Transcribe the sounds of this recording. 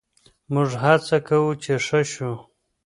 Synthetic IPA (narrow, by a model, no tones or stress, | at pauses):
mʊʐɦat͡sakawut͡ʃeʂəʃu